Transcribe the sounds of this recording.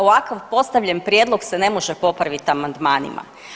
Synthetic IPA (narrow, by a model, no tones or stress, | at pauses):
oʋakaʋpo̞st̪aʋʎenpɾjeːd̪lˠo̞ɡsene̞mo̞ʒepo̞pɾaʋit̪amand̪maːnḭma̰